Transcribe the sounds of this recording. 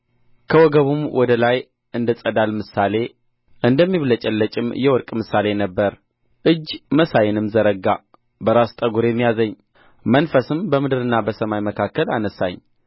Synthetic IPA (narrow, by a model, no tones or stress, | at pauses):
kʰəwɔɡəβumwʔɔd̪əlaj | ɨnd̪ɨt͡sʼəd̪almɨsale̞ | ʔɨnd̪əmːiβlət͡ʃʼɛlːət͡ʃʼɪmjɛwɔɾkʼmɨsale̞nəbːəɾ | ʔɨd͡ʒːməsajɛnɨmzəɾəɡa | bəɾast̪ʼəɡuɾjɛmːijazəɲː | mənfəsɨmbəmɨd̪ɨɾɨnːabəsəmajməkʰakːəla̰nəsa̰ɲː